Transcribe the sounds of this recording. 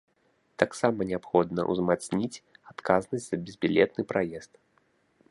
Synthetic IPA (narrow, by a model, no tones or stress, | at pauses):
t̪aksamɐnʲɛapxɔd̪nɐ̰ʔw̰zmat̪snʲit͡sʲat̪kaznɐsʲtʲz̥ɐbʲɪzbʲilʲɛt̪nɨpɾajɛst̪